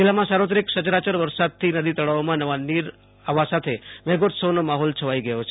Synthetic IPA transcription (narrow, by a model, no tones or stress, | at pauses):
d͡ʒilamãsaɾʋot̪̬ɾiksəd͡ʒɾat͡ʃəɾʋəɾsad̪̚t̪ʰinəd̪it̪əɭaʋomãnəʋanːiɾ | aʋasat̪ʰeʋɛɡot̪sənomaɦɔlt͡ʃʰəʋaiɡəjot͡ʃʰe